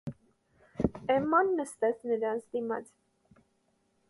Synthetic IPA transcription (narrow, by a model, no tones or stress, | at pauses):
ɛmɑnːəst̪ɛt͡sʰnəɾɑnt͡sʰd̪imɑ̰t͡s